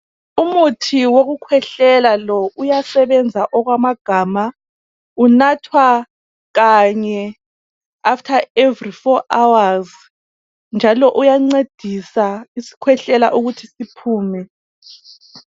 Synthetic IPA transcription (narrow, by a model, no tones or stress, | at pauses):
umutʰiwoɣukʰwɛɬɛlalɔʔujasɛβɛnd͡zʱaʔɔɣwamaɡ̥ʱaːma | unatʰwa | ɣaɲɛ | aftʰaevrifɔʔawaz | nd͡ʒʱalɔʔujaŋ͡ǀed̥ʱisaisi̥kʰwɛɬɛla̰ʔuɣutʰisipʰuːmɛ